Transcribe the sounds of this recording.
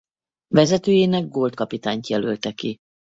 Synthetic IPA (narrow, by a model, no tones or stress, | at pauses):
vɛzɛt̪øːjeːnɛɡ̚ɡoːlt̪kɒpit̪aːɲt̪jɛlølt̪ɛki